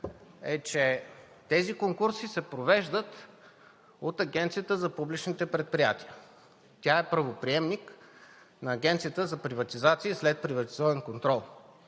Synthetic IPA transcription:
ɛt͡ʃɛ | t̪ɛzikoŋkuɾsisɛpɾovɛʒd̪ət̪ | ot̪ɐɡʲɛnt̪sijət̪əzɐpublit͡ʃnit̪ɛpɾɛt̪̚pɾijat̪iə | t̪ʲaɛpɾɐvopɾiɛmnik | nɐːɡʲɛnt̪sijət̪əzɐpɾivɐt̪izat̪siislɛt̪̚pɾivɐt̪izɔvənkont̪ɾɔlˠ

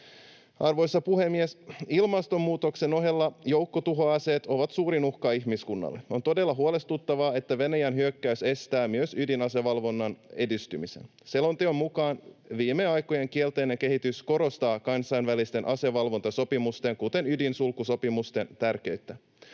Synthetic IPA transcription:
ɑrʋo̞jsːɑpuhe̞mːiesilmɑst̪o̞mːuːt̪o̞kse̞no̞ɦe̞lːɑjowkːot̪uɦoɑːse̞ːt̪o̞ʋɑt̪suːɾinuhkɑihmiskunːɑ̰lːeo̞nt̪o̞de̞lːɑɦuole̞st̪ut̪ːɑʋɑːe̞t̪ːæʋe̞næjænɦyøkːæyse̞st̪æːmyøsydinɑseʋɑlʋo̞nːɑne̞dist̪ymise̞̰n | selo̞nt̪eommukɑːnʋiːmːeɑjkːoje̞ŋkielt̪e̞ːneŋke̞ɦit̪ysko̞ɾo̞st̪ɑːkɑnsɑjnʋælist̪e̞nʔɑse̞ʋɑlʋo̞nt̪ɑso̞pimust̪e̞ŋkut̪e̞nydinsulkːuso̞pimust̪e̞nt̪ærk̟e̞yt̪ːæ

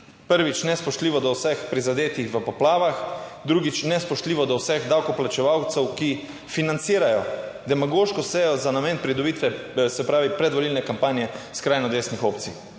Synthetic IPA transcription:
pəɾʋit͡ʃnɛspɔʃt̪liːʋɔd̪ɔwsɛxpɾizad̪eːt̪ixʋəpɔplaːʋaxd̪ɾuɡit͡ʃnɛspɔʃt̪liːʋɔd̪ɔwsɛɣd̪awkɔplat͡ʃɛʋawt̪sɛwki | finant̪siːɾajɔd̪ɛmaɡoʃkɔsɛjɔzanameːnpɾid̪ɔbit̪ʋɛsɛpɾaːʋipɾɛd̪ʋɔliːlnɛkampaːnjɛskɾaːjnɔd̪eːsnixoːpt̪si

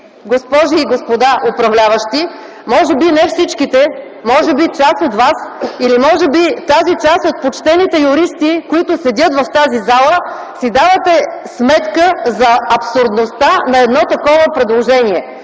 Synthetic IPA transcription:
ɡospɔʒiːɡospod̪aʔopɾɐvlʲavəʃt̪i | mɔʒɛbinɛfsit͡ʃkit̪ɛ | mɔʒɛbit͡ʃasot̪vasilimɔʒɛbit̪azit͡ʃasot̪̚pot͡ʃt̪ɛnit̪ɛjʊɾist̪ikoit̪ʊsɛd̪ʲət̪vɐft̪azizalˠə | sid̪avət̪ɛsmɛt̪kəzɐɐpsʊɾd̪nost̪anɐɛd̪nɔt̪ɐkɔvəpɾɛd̪lˠoʒɛniɛ

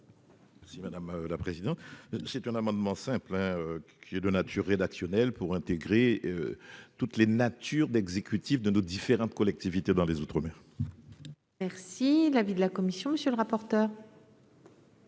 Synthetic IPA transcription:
mɛʁsimad̪amlapχezid̪ɑ̃t̪sɛt̪ɛ̃namɑ̃d̪mɑ̃sɛ̃plɛ̃økʲʰiɛd̪ənat̪ʰyʁːed̪aksjɔnɛlpuʁɛ̃t̪eɡʁeøt̪ut̪lenat̪ʰyʁd̪ɛɡzekʲyt̪ifd̪ənod̪ifeʁɑ̃t̪kɔlɛk̚t̪ivit̪ed̪ɑ̃lezut̪χəmɛ̃ | mɛʁsilavid̪əlakɔmisjɔ̃məsjølʁapɔʁt̪œːʁ

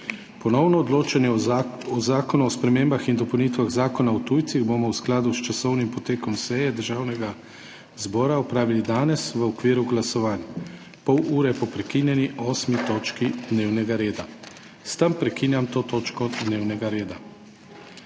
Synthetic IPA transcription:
pɔnɔwnɔːd̪loːt͡ʃanjɛɔzaːkɔnuɔspɾɛmeːmbaxind̪ɔpownit̪ʋaɣzaːkɔnaɔt̪uːjt̪siɣbomɔwsklaːd̪ust͡ʃasɔwnimpɔt̪eːkɔmsɛjɛd̪əɾʒaːwnɛɡa | zbɔːɾaɔpɾaːʋilid̪aːnɛsʋəɔkʋiːɾuɡlasɔʋaːnja | pɔwuːɾɛpɔpɾɛkinjɛniʔɔːsmit̪oːt͡ʃkid̪neːwnɛɡaɾeːd̪a | st̪ɐmpɾɛkinjamt̪oːt̪oːt͡ʃkɔd̪neːwnɛɡaɾeːd̪a

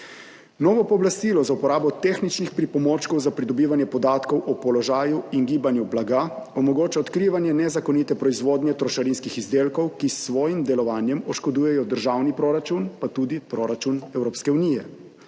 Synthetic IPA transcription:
nɔːʋɔpɔːblast̪iːlɔzaupɔɾaːbɔt̪exnit͡ʃnixpɾipɔmoːt͡ʃkɔwzapɾid̪ɔbiːʋanjɛpɔd̪aːt̪kɔwʔɔpɔlɔʒaːjuiŋɡiːbanjublaɡaɔmɔɡoːt͡ʃaɔt̪kɾiːʋanjɛnɛzakɔnit̪ɛpɾɔizʋoːd̪njɛt̪ɾɔʃaɾinskixizd̪eːlkɔwkisːʋɔːjimd̪ɛlɔʋaːnjɛmɔʃkɔd̪uːjɛjɔd̪əɾʒaːwnipɾoɾat͡ʃunpat̪uːd̪ipɾoːɾat͡ʃunɛwɾoːpskɛuniːjɛ

